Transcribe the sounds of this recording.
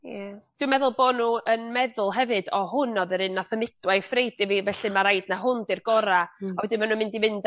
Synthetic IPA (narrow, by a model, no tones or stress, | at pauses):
jad̥wimɛðʊlˠboːdnuənmɛðʊlˠɦɛvɨd̥ɔhʊnɔðəɾɨnːaθəmɪd̥wajfrejdivivɛɬimaɾajd̥naɦʊndirɡ̥ɔɾaawɛdɪnmanumɪndimɪnd